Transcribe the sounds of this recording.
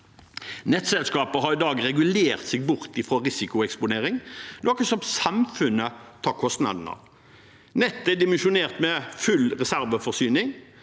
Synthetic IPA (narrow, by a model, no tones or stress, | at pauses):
nɛt̪sɛlskɑːpəɦɑʁɪd̪ɑːɡɾɛɡʉleːʁt̪sɪːɡ̚bʊʁt̪ɪfʁoːʁɪsɪkʊɛkspʊneːɾɪŋnoːkəsɔmsɑmfʉnːət̪ʰɑːkʰɔst̪nɑ̰d̪n̩ɑ̰ʋ | nɛt̪ːɛd̪ɪmɛnʃʊneːʁt̪mɛfʉlʁɛsæɾʋəfɔʁsyːnɪŋ